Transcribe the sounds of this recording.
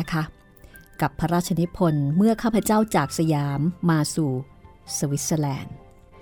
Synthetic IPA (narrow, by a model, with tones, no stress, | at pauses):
kʰa˦˥ | ka˨˩pʰːa˦˥ɾaː˥˩t̚t͡ɕʰa˧ni˦˥pʰo˧nmɯ˥˩ɐkʰaː˥˩pʰɾa˧˦˥t͡ɕaː˥˩wt͡ɕaː˨˩k̚sa˧jaː˨˦mːaː˧suː˨˩ | sa˧wi˦˥t̪̚saː˧lɛː˧n